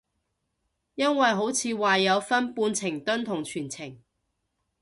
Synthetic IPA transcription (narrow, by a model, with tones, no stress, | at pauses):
jɐ˥nwɐ˨jɦo˨˥wt͡sʰiː˨˧waː˨jɐ˨˧wfɐ˥npuː˧nt͡sʰɪ˨˩ŋt̪ɵ˥nt̪ʰʊ˨˩ŋt͡ʃʰyː˨˩nt͡sʰɪ˨˩ŋ